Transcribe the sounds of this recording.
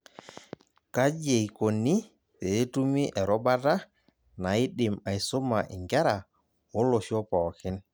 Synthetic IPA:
ka˦d͡ʒe˨i˨ko˨ni˦ | teː˨˦tu˦mi˦ʔɛ˨ɾɔ˦ba˦ta˦ | na˨ɪ˦ɗɪ˨ma˨ɪ˨so˦ma˨ʔɪ˨ŋɡɛ˦ɾa˨ | o˦lo˨ʃɔ˦pa˨ɔ˨kɪ˦n

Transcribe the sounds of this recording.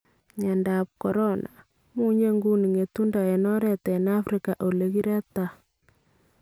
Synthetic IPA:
ɲɛ˨nda˨p̚ko˨ɾɔ˦nʔa̰˨ | mu˦ɲe˦ŋɡu˦ni˨ŋe˨tu˦nda˨e˨nɔ˦ɾɛ˨tɛ˨na˦fɾi˨ka˨ʔo˨le˨ɣi˦ɾɛ˦ta˨

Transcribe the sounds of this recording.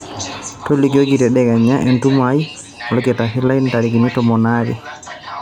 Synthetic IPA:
to˦liko˦ɡitɛ˨ɗɛɡa˨ɲa˦ʔɛ˨ntumai | ɔlɔ˦kɛ˨ta˨si˦la˦intaɾi˨ɡi˨ni˦tɔmɔ˨naɾɛ̰

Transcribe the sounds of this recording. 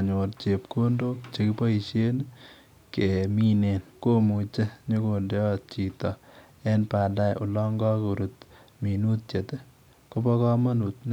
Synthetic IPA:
ɲo˨rt͡ʃe˨p̚ko˦ndo˦kt͡ʃe˧ki˦pɔ˦i˨ʃe˦n | ke˨mi˦ne˨nko˦mu˨t͡ʃe˦ɲo˦ko˨nde˦ɔ˦t͡ʃi˨tɔ˨ | ɛ˦npa˨da˦˨jʊ˨lɔ˦ŋɡɔ˦ku˨ɾu˨t̪ | minu˦t̚t͡ʃe˨te˦ | ko˦pɔ˦kɔ˦ma˦nu˨t̪n

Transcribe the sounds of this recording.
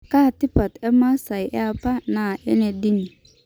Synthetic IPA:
kaː˦˨tɪ˦pa˨tɛ˦mã˦sa˨ɪ˨ʔɛ˦a˦pʰa˦nã˨ɛ˦nɛ˨di˦nĩ˨

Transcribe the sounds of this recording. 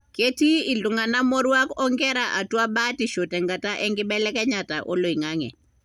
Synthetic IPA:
ke˦ti˦ɪ˨lʊ˨ŋa˨na˦mɔ˦ɾwa˦kɔ˦ŋɡɛ˦ɾaʔa˨twa˦ba˦ti˨ʃo˨tɛ˨ŋɡa˨ta˦ʔɛ˦ŋɡɪ˦bɛ˦lɛ˦kɛ˦ɲa˨ta˨ʔo˦lo˨i˨ŋa˦ŋɛ̰˨

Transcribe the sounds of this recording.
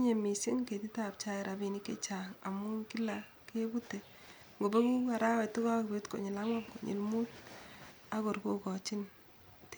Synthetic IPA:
ɲe˨mi˨si˦ŋke˨ti˦ta˨p̚t͡ʃa˦ɪ˨ɾʔa˨bi˨ni˦kḛ˦t͡ʃa˨ŋa̰˨mu˦ŋki˦la˨ | ke˦bu˦te˨ | ŋɡo˨be˦ku˦a˨ɾa˦wɛ˨tɪ˦kɔ˦kbe˦tko̰˨ɲɪ˨la˦ŋwa˦pko˨ɲḭ˨lmu˦t̚ | a˦kɔ˨ɾko˦kɔ˨t͡ʃi˦n | t

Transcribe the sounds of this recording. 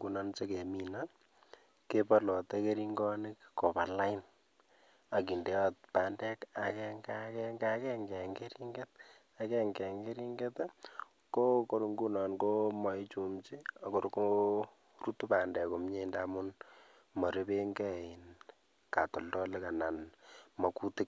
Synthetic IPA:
ŋɡu˦nɔ˦nt͡ʃe˦ke˨mi˨na | ke˦pa˦lɔ˨te˦ke˦ɾi˦ŋɡɔ˦nɪkkɔ˨pa˨la˦ɪn | a˨ki˨nde˦ɔt̚pa˨ndɛ˦ka˨kɛŋɡakɛŋɡa˦kɛ˦ŋɡɛ˨ŋɡe˦ɾi˦ŋɡe˦t̚ | a˨kɛ˦ŋɡɛ˨ŋɡe˦ɾi˦ŋɡe˦t | ko˦ko˦ɾu˦ŋɡu˦na˨nɡo˦ma˨i˦t͡ʃu˨mt͡ʃi˦a˨ko˨ɾko | ru˦tu˦pa˨ndɛ˨ko˨mɲe˦˨nda˦mu˦n | mɔ˨ɾe˦be˦ŋɡɛ˦˨i˨n | ka˨tɔ˨ldɔ˦le˦ka˨na˨nmɔ˨ku˦ti˦k̚

